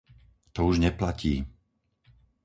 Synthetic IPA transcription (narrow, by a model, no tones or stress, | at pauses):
t̪ɔuʒɲɛplaciː